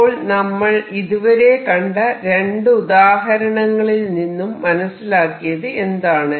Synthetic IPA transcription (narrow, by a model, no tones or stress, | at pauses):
oːɭnɐmːɐɭiðuʋɐɾe̞kɐɳɖɐɾe̞ɳɖɨuðaːɦɐɾɐɳɐŋːɐɭilninːumːɐnɐsːilaːkːijɐðɨe̞nd̪aːɳɨ